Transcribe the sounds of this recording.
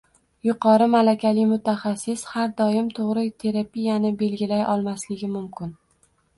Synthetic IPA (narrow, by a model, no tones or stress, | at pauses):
jʊqʰɒɾɪmalakʲalɪmʊt̪ʰaχasːɪshaɾd̪ɒjɪmt̪ʰoʁɾɪt̪ʰe̞ɾapijanɪbe̞lɡʲɪlajɒlˠmaslɪɡʲɪmʊmkʲɪn